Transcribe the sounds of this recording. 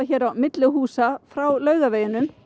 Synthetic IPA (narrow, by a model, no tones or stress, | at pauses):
açɛːɾawmɪt̪lʏɦuːsafɾawlœːɥɣaveːjɪnʏm